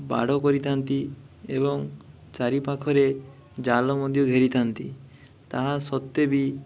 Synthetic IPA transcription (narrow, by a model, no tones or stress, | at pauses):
ba̰ɽ̤ɔkɔɾit̪ʰant̪i | ebɔŋ | t͡ʃaɾipakʰɔɾe | d͡ʒalɔmɔd̪ʱjɔɡʱeɾit̪ʰant̪i | t̪aɦasɔt̪ːebi